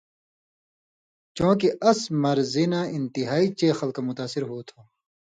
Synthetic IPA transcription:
t͡ɕõːkiʔɐsmɐɾzinaːɪnt̪iɦaːit͡ɕeːxɐlkamʊt̪aːsiɾɦuːt̪ʰoː

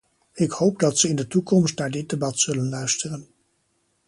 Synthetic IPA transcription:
ɪkhowp̚dɑtsəɪndətukɔmstnaːɹdɪt̚debɑtsɵlənlœɥstərən

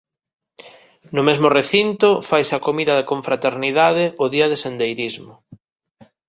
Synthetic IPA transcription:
nʊmezmʊreθint̪ʊfajsakomiðɐðekõɱfɾat̪eɾniðaðɪʊðiɐðesend̪ejɾizmʊ

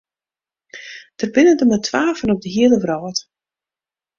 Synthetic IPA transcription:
d̥ərbɪnəndəmətʰʋaːfənɔp̚dəɦiələʋrɔːt

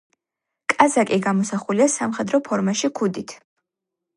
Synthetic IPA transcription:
kʼazakʼiɡamɔsaχuliasamχɛd̪ɾɔpʰɔɾmaʃikʰud̪it̪ʰ

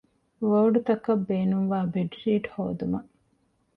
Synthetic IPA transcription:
ʋɐːɖut̪ɐkɐbːeːnuŋʋaːbeɖɾiːʈhoːd̪umɐ

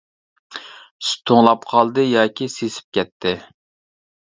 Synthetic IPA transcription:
sʊ̥t̪ʰʊŋlˠɑpqʰɑlˠd̪ɨjɑːkʲisesɪ̥p̚kʲɛt̪ʰːɪ

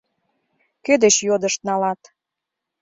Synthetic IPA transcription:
kød̪et͡ɕjod̪əʃt̪̚nɑlɑt̪

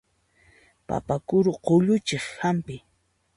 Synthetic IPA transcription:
pa̰pakʊɾʊqoʎʊt͡ʃeχhampɪ

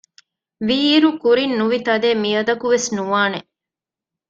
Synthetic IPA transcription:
ʋiːɾukuɾinːuʋit̪ɐd̪eːmiɐd̪ɐkuʋesnuʋaːne

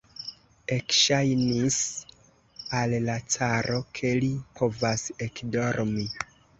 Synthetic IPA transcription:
e̞kʃajnis | allat͡saɾo̞kʰe̞lipʰo̞vase̞kdo̞ɾmi

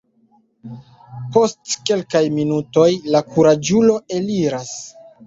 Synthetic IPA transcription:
po̞stke̞lkajminuto̞jlakuɾad͡ʒulo̞e̞liɾas

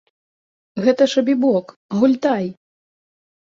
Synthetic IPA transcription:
ɣɛt̪ɐʂɐbʲibɔk | ɣulʲt̪aj

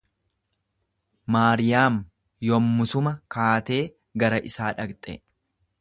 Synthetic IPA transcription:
maːɾɪjaːm | jɔmːʊsʊmɐkaːt̪e̞ː | ɡɐɾɐʔɪsaːᶑɐɡt̪ʼɛ̰

